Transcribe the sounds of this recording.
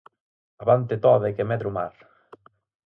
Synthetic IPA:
aβant̪et̪ɔðekemɛðɾumaɾ

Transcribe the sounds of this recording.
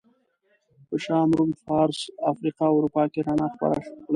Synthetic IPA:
pəʃɑːmɾumfɑːɾsafɾiqɑʊɾupɑːkeɾanaxpa̰ɾa̰ʂkla

